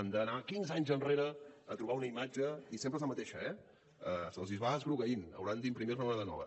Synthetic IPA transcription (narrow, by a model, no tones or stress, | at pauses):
ənd̪ənakinzaɲzənreɾəːt̪ɾuβ̞aunəimad͡ʒəisempɾezləmət̪eʃəɛ | əsəlˠzizβaəzɣɾuɣəinə̰wɾand̪impɾimiɾnəaðənɔ̰βə̰